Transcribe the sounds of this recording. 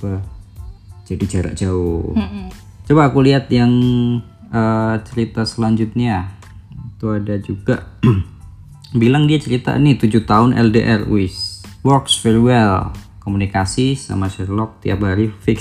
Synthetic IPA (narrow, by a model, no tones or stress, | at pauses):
pa | d͡ʒadit͡ʃaɾa̰ʔd͡ʒaʊ | t͡ʃobaakuliɦat̪jaŋ | ət͡ʃəɾit̪asəlaɲd͡ʒut̪̚ɲa | it̪uadad͡ʒuɡaʔ | bilaŋdiat͡ʃəɾit̪a̰nit̪ud͡ʒut̪aʊnʔɛ̰ldeʔɛrṵɪswɔksfɛɾiwɛlkomunikasisa̰maʃɛrlɔk̚t̪ia̰p̚haɾifɪk